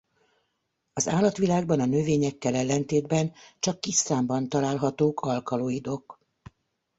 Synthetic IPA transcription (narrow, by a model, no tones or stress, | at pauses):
ɒzaːlɒt̪ʋilaːɡbɒnɒnøveːɲɛkːɛlɛlːɛnt̪eːd̪bɛnt͡ʃɒkːist̪aːmbɒnt̪ɒlaːlɦɒt̪oːkɒlkɒloːjid̪o̞k